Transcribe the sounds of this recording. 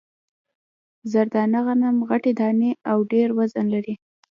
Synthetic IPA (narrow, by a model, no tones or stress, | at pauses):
zaɾd̪ɑnaɣanamɣaʈed̪ɑneawɖeɾwazanlaɾi